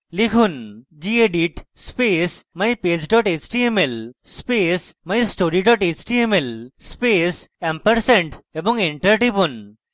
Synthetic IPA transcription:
likʰund͡ʒieɖiʈspesmajpeːd͡ʒɖɔʈet͡ʃʈiemelspesmajsʈoɾiɖɔʈet͡ʃʈiemelspeːsãmpəɾsẽɳʈebɔ̃ŋẽɳʈəɾʈipun

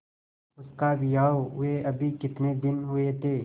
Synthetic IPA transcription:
ʊskabijaːoeɐbʱikɪt̪ned̪ɪnɦʊet̪ʰeː

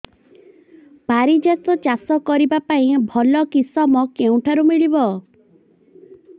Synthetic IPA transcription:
b̥ʱaɾid͡ʒasɔt͡ʃasɔkɔɾibapaĩbʱɔlɔkisɔmɔkeũʈʰaɾumiɭibɔ

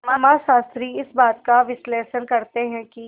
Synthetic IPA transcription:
mɐmaʃaːst̪ɾiɪsbaːt̪kaʋɪsleːʃənkɐɾt̪eɦɛ̃ki

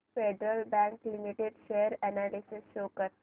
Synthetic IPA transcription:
feɖɾəlbæ̃ŋklimiʈeɖʃeːəɾɛnalisɪsʃoːkəɾ

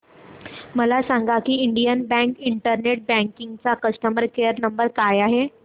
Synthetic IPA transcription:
məlasaŋɡakiːiɳɖijənbæ̃ŋkiɳʈəɾneʈ̚bæ̃ŋkiŋɡt͡sakəsʈəməɾkejəɾnəmbəɾkajaɦe

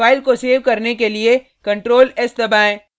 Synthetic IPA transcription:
aːɪlkoseːʋkɐɾnekelie | kɐ̃ɳʈɾoːlɛːsd̪ɐbaːẽː

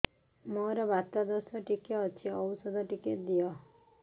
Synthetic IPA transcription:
moɾɔbat̪ɔd̪ɔsɔʈikeɔt͡ʃʰiɔwusɔd̪ʱɔʈiked̪iɔ

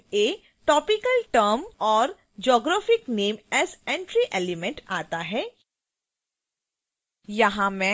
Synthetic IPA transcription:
eː | ʈɔːpɪkəlʈəɾmɔːɾ | d͡ʒɔːɡɾaːfɪkneːmɛːzɛ̃ɳʈɾiʔɛːlɪmɛ̃ɳʈaːt̪aɦɛː | jɐɦãmɛ̃

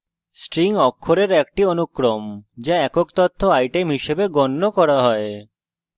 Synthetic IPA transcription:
sʈɾiŋɔkʰːoɾeɾɛk̚ʈionukːɾomd͡ʒaɛkokt̪ɔt̪ʰːoajʈemɦiʃebeɡɔnːokɔɾaɦɔe

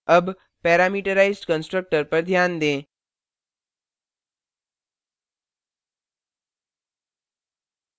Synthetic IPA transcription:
ɐb | pɛːɾaːmiːʈəɾaːɪzɖkə̃nsʈɾək̚ʈəɾpɐɾd̪ʱjaːnd̪ẽː

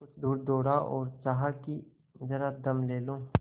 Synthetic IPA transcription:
kʊt͡ʃʰd̪uːɾd̪oːɽaʔɔːɾt͡ʃaɦaki | zɐɾad̪ɐmleːlõː

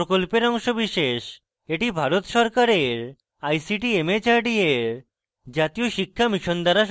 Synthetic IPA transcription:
ɾokolpeɾɔŋʃobiʃeʃ | eʈibʱaɾot̪ʃɔɾkaɾeɾ | ajsiʈiemet͡ɕaɾɖieɾ | d͡ʑat̪ijoʃikʰːamiʃond̪aɾaʃ

